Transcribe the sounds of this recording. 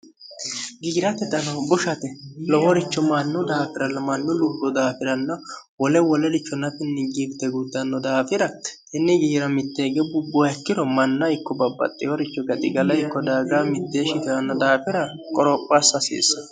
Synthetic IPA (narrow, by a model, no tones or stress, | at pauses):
ɡiːɾɐt̪ɛd̪ɐnɐbʊʃɐt̪ɛlɔhɔɾɪt͡ʃːɔmɐnːʊd̪aːfɪɾɐlːɐmɐnːʊlubɔd̪aːfɪɾɐnːɐwɔlɛwɔlɛlɪt͡ʃːɔnɐt̪ɪnːɪɡiːbt̪ːɛɡud̪ːɐnːɔd̪aːfɪɾɐ | ɪnːɛɡiːɾɐmɪt̪ːeːɡɛbʊbːɔɛkːɪdɔmɐnːɐɪkːɔbɐbːɐ̰t̪ʼːɪwɔɾɪt͡ʃːɔɡɐt̪ʼɪ̰ɡɐlɐɪkːɔd̪aːɡaːmɪt̪ːeːʃɪt̪ɪɾɐnːɐd̪aːfɪɾɐkʼɔɾɔpʼːaːsɐsḛːs